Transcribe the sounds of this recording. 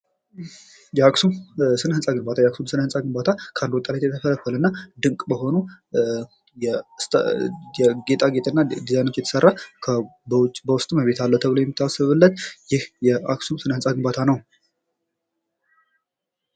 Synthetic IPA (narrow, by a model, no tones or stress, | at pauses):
jɛaksumsɨnhɨnsʼaɡɨnbat̪ʰajɛaksumsɨnhɨnsʼaɡɨnbat̪ʰakʰəand̪ot̪ʼːalet̪jɛt̪ʰəfələfːələnːad̪ɨŋkʼbəho̞nu | jɛst̪jɛɡe̞t̪ʼaɡet̪ʼnːad̪izajno̞t͡ʃːjɛt̪ʰə̥sərːakʰəbt͡ʃʼːbəwʊst̪ʼməβe̞t̪ʰalːət̪ʰəβɨləjɛmːɨt̪ʰːasɨβɨlːət̪jɪhjɛaksumsɨnhɨnsʼaɡɨnbat̪ʰanəw